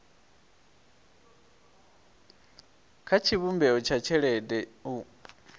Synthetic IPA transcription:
kʰat͡ʃʰiβumbɛɔt͡ʃʰat͡ʃʰɛɺɛdɛu

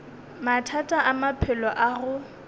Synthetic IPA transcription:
matʰatʼaʔamapʰɪlɔʔaɣʊ

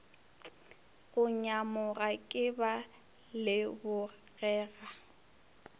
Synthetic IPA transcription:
ɣʊɲamʊɣakʼɪba | lɪbʊ | ɣɛːɣa

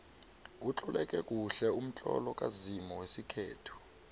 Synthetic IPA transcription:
ut͡ɬɔlɛk̬ʼɛk̬ʼuɬɛum̩t͡ɬʼɔ̰lɔkʼazimɔwesikʰeːtʰu̥

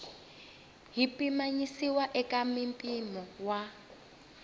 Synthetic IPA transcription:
ɦipimaɲisiwaʔɛkʼamimpʼinɔwa

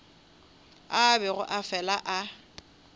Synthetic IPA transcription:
abɛɣʊ̰ʔafɛlaʔa

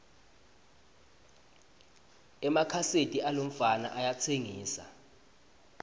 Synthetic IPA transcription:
ɛmakʰasetʼialom̩fana̰ʔajat͡sʰeŋiːsa̰

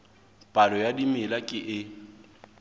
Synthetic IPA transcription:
pʼalɔjadimɪlakʼɪʔɪ

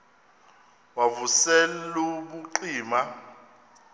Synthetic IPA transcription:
wavusɛlluɓuǃiːma

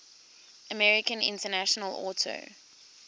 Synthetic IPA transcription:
ʔəmɛɹɪkə̃nɪ̰̃ntənaʃənəlɔːˑtʰə̰ʊ

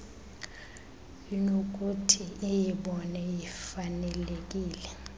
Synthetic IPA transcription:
jinok̬ʼutʰiʔijiɓɔnɛjifanɛlek̬ʼiːlɛ

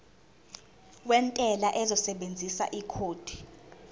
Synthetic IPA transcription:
wɛntʼɛlaʔɛzɔsɛɓend͡zʱisa̰ʔikʰoːd̥ʱi̥

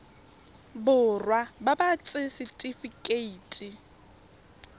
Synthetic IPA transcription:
bʊrwababat͡sʼɪsɪtʼifikʼeiːtʼi

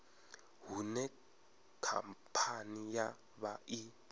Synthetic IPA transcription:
ɦunɛ | kʰa̰mpʰanija | ɓaʔi

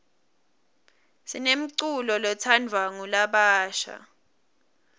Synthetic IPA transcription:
sinem̩ǀulɔlɔtʰandʱwaŋulaɓaːʃa̰

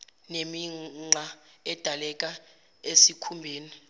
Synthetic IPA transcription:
nemiŋ͡ǀʱaɛd̥ʱalɛk̬ʼa | esikʰumbʱeːni

